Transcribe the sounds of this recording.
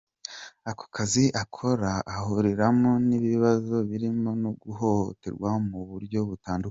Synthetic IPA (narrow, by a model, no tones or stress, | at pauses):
ako̥kʰaziʔakʰo̞ɾaːhuɾiɾamoniβiβazo̞βiɾimo̞noɡuho̞ho̰te̞̰ɾɡwamuβuɾjo̞βutaːnduka